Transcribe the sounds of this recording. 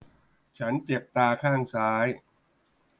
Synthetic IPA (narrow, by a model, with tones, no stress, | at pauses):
t͡ɕʰa˦˥nt͡ɕe˨˩p̚t̪aː˧kʰaː˥˩ŋsaː˦˥j